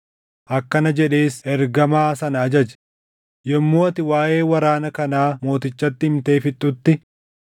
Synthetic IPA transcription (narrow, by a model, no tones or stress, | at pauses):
ʔɐkːɐnɐd͡ʒɛᶑe̞ːsɛɾɡɐmaːsɐnɐɐd͡ʒɐd͡ʒɛ̥ | jɛmːoːɐt̪ɪwaːʔe̞ːwɐɾaːnɐkɐnaːmo̞ːt̪ɪt͡ʃːɐt̪ːɪɪmt̪e̞ːfɪt̪ʼːʊt̪ːɪ